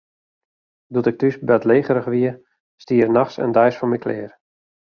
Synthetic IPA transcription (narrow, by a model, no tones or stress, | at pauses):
dutɪk̚tysbɛtleːɣəɾəxʋiə | stiərnaxsə̰ndɛjsfɔmikʰlɪ̰ːr